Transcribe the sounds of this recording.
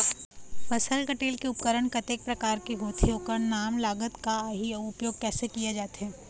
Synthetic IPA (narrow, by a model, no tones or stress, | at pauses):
fɐsəlkəʈeːlkeʊpkəɾəɳ̃kɐt̪eːk̚pɾɐkaːɾkeɦoːt̪ʰeoːkəɾnaːmlaːɡət̪kaɦiʊpjoːɡ̚kɛːsekijed͡ʒaːt̪ɦɛ̃ː